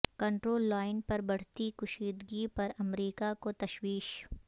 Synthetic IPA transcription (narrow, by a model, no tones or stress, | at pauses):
kɐ̃ɳʈɾoːlːaːɪnpɐɾbɐɽ̤t̪ikʊʃiːd̪ɡipɐɾɐmɾiːkakot̪ɐʃwiːʃ